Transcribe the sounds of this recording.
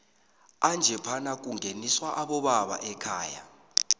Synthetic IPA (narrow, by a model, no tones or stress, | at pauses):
and͡ʒʱɛpʰanak̬ʼuŋʱeniswaʔaɓɔɓaɓa̰ʔɛkʰaːja̰